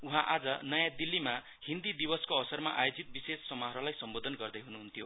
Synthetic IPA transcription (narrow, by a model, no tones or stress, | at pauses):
uɦãʔad͡zʌnʌjãd̪ilːima | hind̪id̪ibʌskoʌsʌrmaʔa̰jod͡zit̪̚bisesːʌmʌɦɾʌlajsʌmbod̪ʱʌnɡʌrd̪ʌjɦunuɦunt̪ʰijo